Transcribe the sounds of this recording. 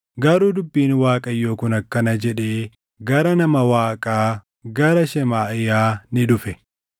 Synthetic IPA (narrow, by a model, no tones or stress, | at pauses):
ɡɐɾuːd̪ʊbːiːnwaːkʼɐjːo̞ːkʊnɐkːɐnɐd͡ʒɛᶑeː | ɡɐɾɐnɐmɐwaːkʼaː | ɡɐɾɐʃɛmaːʔɪjaːnɪᶑʊfɛ